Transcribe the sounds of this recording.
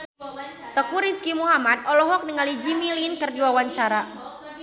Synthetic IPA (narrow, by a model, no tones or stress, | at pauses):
t̪əkuɾiskimuɦamat̪̚ɔlɔɦɔk̚nəŋalid͡ʒimilinkərdiwawaɲt͡ʃaɾa